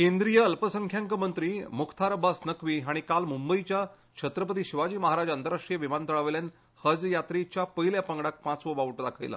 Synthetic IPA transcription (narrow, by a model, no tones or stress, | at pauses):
kend̪ɾijəəlpəsəŋkʰjaŋkəmənt̪ɾiːmukʰt̪ʰaɾbasnəkʋiːɦaɽ̃ikalmumbəit͡ɕja | t͡ɕʰət̪ɾəp̬ət̪iːɕiʋad͡ʑiːməɦaɾad͡ʑənt̪əɾaʂʈijəʋimant̪əɭəʋljan | həd͡zjat̪ɾit͡ɕjapəɦiljapəŋɡɽak̚pãt͡sʋobaʋəʈd̪akʰa̰jla̰